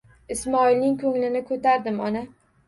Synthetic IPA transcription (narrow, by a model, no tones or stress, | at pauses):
ɪsmɒɪlnɪŋkʰɵŋlɪnɪkʰɵt̪ʰaɾd̪ɪmɒna